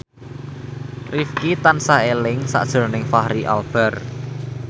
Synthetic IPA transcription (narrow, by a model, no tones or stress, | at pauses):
rifkit̪ansaelɪŋsa̰ʔd̥ʒ̥ə̤rnɪŋfahɾiʔa̰lb̥ɛ̤r